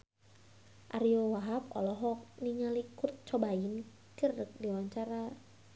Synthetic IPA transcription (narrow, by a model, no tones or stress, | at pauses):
ʔa̰ɾiowaɦap̚ɔ̰lɔɦɔk̚niŋalikurt̪̚t͡ʃɔbain | kirək̚diwaɲt͡ʃaɾa